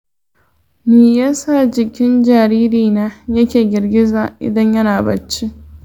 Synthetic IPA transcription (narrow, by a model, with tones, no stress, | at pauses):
miː˨ja˦sa˦˨d͡ʒɪ˨kʲɪ˦nd͡ʒaː˨ɾiː˦ɾiː˨naː˦jɐ˦kʲeː˨ɡʲɪ˨rɡʲɪ˦zaː˨ʔɪ̰˨dɐ˦ɲjɐ˦naː˨bɐ˨t͡ʃːi˦